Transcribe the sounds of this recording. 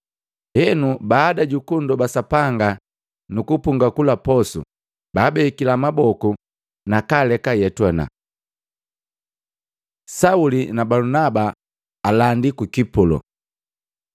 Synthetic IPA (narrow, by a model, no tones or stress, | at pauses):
hɛnubaːdaɟukundɔbasapaŋɡa | nukupuŋɡakulapɔsṵ | baːbɛikilamabɔku | nakalɛkajɛtwɔna̰ | saulinabalunabaː | landikukipulɔ̰